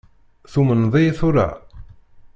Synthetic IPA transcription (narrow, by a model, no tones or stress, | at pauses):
θumənðˤijθʊɾa̰